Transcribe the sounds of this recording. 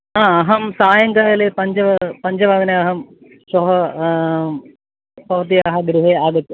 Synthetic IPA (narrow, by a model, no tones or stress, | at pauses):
aːɐɦɐmsaːjɐŋɡɐɦɐlepɐɲd͡ʒɐʋɐpɐɲd͡ʒɐʋaːɡɐneɐɦɐm | ʃoːɦɐ | pɐʋɐt̪̬ijaːɦɐɡɾuɦeːaːɡɐt̪ːu